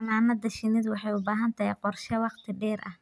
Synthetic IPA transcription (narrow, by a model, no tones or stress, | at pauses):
maːmɐd̪ɐʃɪnɪd̪wɑħɑjʊbaːɦɐnt̪ʰɐjqɔrʃɛwɑqt̪ʰɪɖɛːɾʔɐ̰h